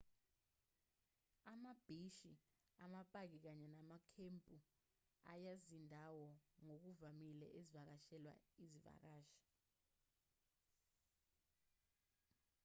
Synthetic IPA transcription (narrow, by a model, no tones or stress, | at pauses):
amab̥ʱiʃi | amapʼak̬ik̬aɲɛnamakʰempʼu | a̰jazindʱawɔŋok̬uvamilɛ̰ʔezivak̬aʃɛlwa̰iziva̰k̬aːʃḁ